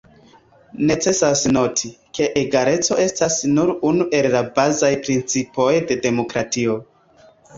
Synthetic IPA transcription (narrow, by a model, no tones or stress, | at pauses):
ne̞t͡se̞sasno̞tʰikʰe̞ʔeɡaɾe̞t͡so̞e̞stasnuɾunuʔe̞lːabazajpɾint͡sipʰo̞jde̞de̞mo̞kɾatio̞